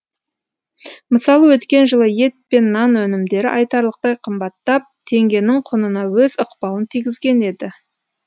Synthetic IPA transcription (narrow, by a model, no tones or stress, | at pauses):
məsɑlˠəwɵt̪kʲe̞nʒəlˠəje̞t̪̚pe̞nːɑnwɵnɪmd̪e̞ɾɪ̰ʔɑjt̪ɑɾlˠəq̚t̪ɑjqʰəmbɑt̪ːɑp̚t̪ʰe̞ŋɡʲe̞nɪɴqʰʊnənɑwɵzʊqpɑlˠənt̪ʰijɡʲɪzɡʲe̞ne̞d̪ɪ